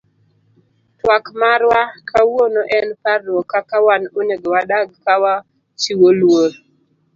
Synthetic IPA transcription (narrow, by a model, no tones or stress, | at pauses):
twakmaɾwakʰawonoʔɛnparːokakawanoneɡwadaɡkawa | t͡ʃiwolwoɾ